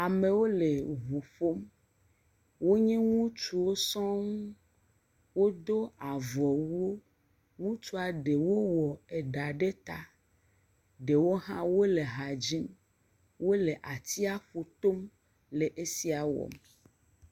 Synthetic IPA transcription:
a˨mẽ˨wo˦le˨ɦu˨ɸo˦m | wo˦ɲɛ̃˦ŋũ˦t͡ʃu˨wo˦sɔ̃˦ŋũ˦ | wo˦d̪o˦a˨vɔ˨wu˦o˦ | ŋũ˦t͡ʃu˦a˨ɖe˨wo˦wɔ˨e˨ɖa˨ɖe˦t̪a˦ | ɖe˨wo˦ɦã̰˦wo˦le˨ɦa˨d͡ʒi˦m | wo˦le˨ʔa˨t̪ʰi˦a˦ɸu˨t̪o˦m | le˨ʔe˦si˦a˨wɔ̰˨me˨

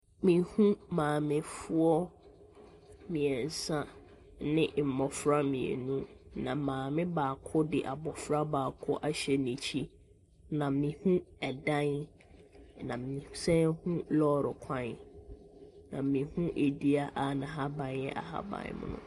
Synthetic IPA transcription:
mĩ˨hũ˦mãː˨mɪ̃˦fʊ˦ɔ˦ | mĩ˨ɛ˨n˨sã˦ | nɪ̃˦˨m̩˨mɔ˨fɾa˦mĩ˨ḛ˨nũ˦nã˨mãː˨mɪ̃˦baː˨kʰʊ˦dɪ˨ʔa˨bɔ˨fɾa˦baː˨kʰʊ˦ʔa˦ɕɛ˦nĩ˨t͡ɕʰi˦ | nã˨mĩ˨hũ˦ɛ˨dã˦n | nã˨mĩ˨sɛ̃˦hũ˦lɔ˦ɾɪ˨kʷʰã˦n˦ | nã̰˨mĩ˨hũ˦ʔe˨di˦a˦ʔa˦nã˨ɦa˦bã˨njɛ̰˦ʔa̰˨ɦa̰˦bã̰˨n˦mʊ̰̃˦nʊ̰̃˨

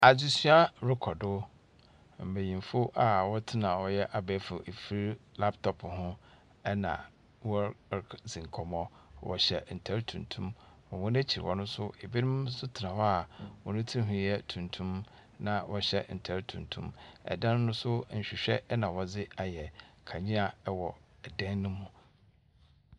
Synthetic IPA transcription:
a˨d͡ʑɪ˦sɥa˦ɾɪ˦kʰɔ˨dʊ˦ | m̩˨be˨jĩ˨m˨fʊ˦ʔa˨wɔ˦tʰɪ˦nã˨wɔ˨jɛ˦ʔa˨bɛ˨˦fʊ˨ʔe˨fi˦ɾi˦la˦ptʰɔ˨pʰhʊ̃˦ | ɛ˦nã̰˨ | wɔ˦d͡zĩ˨ŋ˨kʰɔ˨mɔ̃˦wɔ̰˨ɕɛ̰˨n̩˨tʰa˦ɾtʰũ˨ntʰũ˦m | ɔ̃˨wʊ̃˦n˦æ˦t͡ɕʰi˨ɾɪ̰˨ɔ˨nʊ̃˦sʊ˦e˨bi˦nɪ̃˦msʊ˦tʰɪ˨nã˨wɔ˦a˨wɔ˨nʊ̃˦tʰi˦ɦũ˨˦ɛ˦tʰũ˨ntʰũ˦m | nã˦wʔɔ˦ɕɛ˦n̩˨tʰa˦ɾtʰũ˨ntʰṵ̃˦mɛ̰˨dã˦nː˦ʊ̃˦sʊ˦˨ɕᶣɪ˨ɕᶣɛ˦nã˨wɔ˨d͡zɪ˦a˨jɛ˨kʰa˨ɲĩ˦a˨ɛ˦wɔ˨ɛ˨dã˦nːʊ̃˦mʊ̃˦

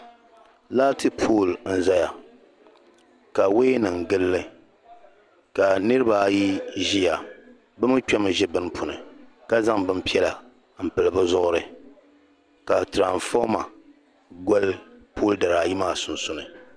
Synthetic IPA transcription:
laː˦tɨ˦pʰoː˦˨ln̩˦za˦ja˨ | ka˨we˦nɨ˨ŋ˨ɡɨ˦lːɨ˦ | ka˨nɨ˦ɾɨ˦ba˨˦ji˦ʒi˦ja˨ | bɨ˦m˦t͡ʃᶣɔ˦mɨ˨ʒɛ˦bɨ˦n˦pʰʊ˨nɨ˨ | ka˦za˦ŋbɨ˦m̩˦pi˦ɛ˦la˨ | m̩˨pɨ˨lɨ˨bɨ˦zʊ˦ʔʊ˦ɾɨ˨ | ka˨tɾa˨ɱfɔ˦ma˨ | ɡɔ˦lpʰoː˦˨lda˨ɾa˨ji˦maː˦˨sʊ˨nsʊ˨nɨ˨

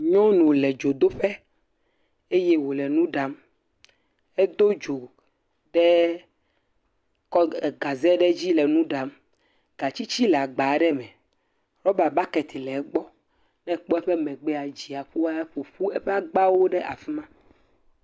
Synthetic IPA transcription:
ɲɔ̃˦nũ˨lɛ˨d͡ʒo˨d̪o˦ɸɛ˦ | e˦je˦wo˨lɛ˨nũ˦ɖa˨m | ɛ˦d̪o˦d͡ʒo˨ | ɖɛ˦ | kɔ˦ɛ˨ɡa˨zɛ˦ɖɛ˦d͡ʑi˦lɛ˨nũ˦ɖa˨m | ɡ̥a˨t͡ɕi˦t͡ɕi˦lɛ˨a˨ɡ͡ba˨˦ɖɛ˦mɛ̃˨ | ɾɔ˦ba˨ba˦kɛ˨t̪ʰi˨lɛ˨˦ɡ͡bɔ˦ | nɛ̃˦˨k͡pɔ˦ɛ˦ɸɛ˦mɛ̃˨ɡ͡bɛ˦a˨d͡ʑi˨a˨ɸu˦wa˦ɸo˨ɸu˦ɛ˦ɸɛ˦a˦ɡ͡ba˦wo˦ɖɛ˦ʔa˨fi˦mã˦

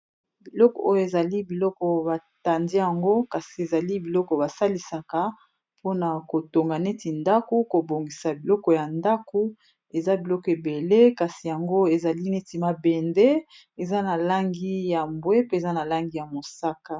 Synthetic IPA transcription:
bi˨lɔ˦kɔ̰˨o˦jo˦˨e˨za˨li˦bi˨lɔ˦kɔ˨ba˨ta˨ndi˦ja˨ŋɡo˦ka˨si˨e˨za˨li˦bi˨lɔ˦kɔ˨ba˨sa˦li˨sa˨ka˨ | pʰo˦na˨ko˨to˨ŋɡa˨ne˦ti˨nda˦ko˦ko˨bo˨ŋɡi˨sa˨bi˨lɔ˦kɔ˨ja˨nda˦ko˦ | e˨za˦bi˨lɔ˦kɔ˨e˨be˨le˦ka˨si˨ja˨ŋɡo˦e˨za˨li˦ne˦ti˨ma˨be˨nde˦ | e˨za˦na˨la˦ŋɡi˦ja˨mbwe˦pe˦e˨za˦na˨la˦ŋɡi˦ja˨mo˨sa˦ka˦

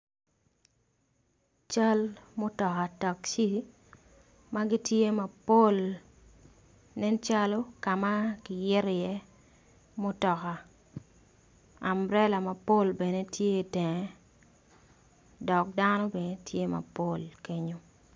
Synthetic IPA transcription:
t͡ʃa˦lmo˦tɔ˨ka˨ta˨kʃi˦ | ma˦ɡi˦tje˦mɐ˨po˦˨l | nɛ˦nt͡ʃa˦lɔ˦ka˨ma˦kɪ˨jɪ˦ɾɪ˨jɛ˦ | mo˦tɔ˨ka˨ | a˨mɾɛ˦la˨mɐ˨po˦lbɛ˨ne˦tʰje˦i˨tɛ˨ŋɛ˦ | dɔ˨k̚da˦nɔ˦bɛ˨ne˦tʰje˦ma̰˨po˦˨lke˦ɲo˦

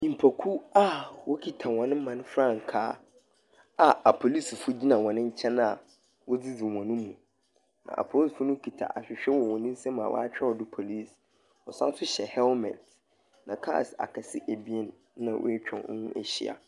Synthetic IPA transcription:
ĩ˨m̩˨pʰa˨kʰu˦a˦wɔ˦kʰi˨tʰa˨wɔ̃˨nɪ̃˦m̩˦mã˨nʊ̃˦fɾã˦˨ŋ̩˨kʰaː˦ | a˨a˨pʰo˨li˦sfʊ˦d͡ʑi˦nã˨wɔ̃˨nɪ̃˦ɲ̩˦t͡ɕʰɛ̃˦na˨ | wʔɔ˦d͡zi˦d͡zi˨wɔ̃˨nɪ̃˦mũ˨ | nã̰˨ʔa̰˨pʰo˦˨sfʊ˦nʊ̃˦kʰi˨tʰa̰˨ʔa˨ɕᶣɪ˨ɕᶣɛ˦wɔ˨wɔ̃˨nɪ̃˦n̩˦sɛ̃˦ma̰˨wʔɔ̰˦a˦t͡ɕᶣɛ˦ɔ˨dʊ˦pʰo˨li˦˨s | ɔ˨sã˦sʊ˦ɕɛ˨hɛ˦lmɛ̰̃˨t | nã˨kʰa̰ː˦˨sa̰˨kʰa˨sɪ˦ʔæ˨bi˦e˦n˨˦nã̰˨w̰e˦t͡ɕᶣʰɛ̰̃˨˦nʊ̰̃˦ʔḛ˨ɕḭ˦a̰˨

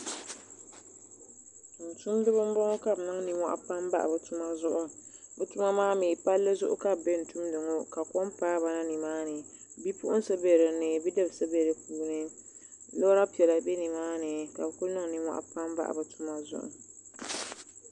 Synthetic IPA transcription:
n̩˨tu˦mdɨ˦bɨ˦m˦bɔ˦ŋo˦ka˨bnɨ˦ŋ˦ni˨˦ŋʷa̰˦ʔa̰˦pa˦m˦ba̰˦ʔa̰˨bɨ˨tu˦ma˦zʊ˦ʔʊ˦bɨ˨tu˦ma˦maː˦miː˨pa˦lːɨ˦zʊ˦ʔʊ̰˦ka˦˨bbe˦n̩˨tu˦mdɨ˨ŋo˦ka˨kɔ˦mpaː˦ba˦na˦ni˨maː˦nɨ˨ | bi˦pʊ̰˦ʔʊ˦n˦sɨ˦be˨ɾɨ˨nɨ˨bi˦dɨ˦˨bsɨ˦be˨ɾɨ˨kuː˨nɨ˦ | lo˦ɾa˦pi˨ɛ˨la˨bɛ˦ni˨maː˦nɨ˨ka˨bɨ˨kʊ˦lnɨ˦ŋ˨nɨ˦ŋʷa̰˦ʔa̰˦pa˦mba̰˦ʔa̰˨bɨ˨tʰu˦ma˦zʊ̰˦ʔʊ̰˨

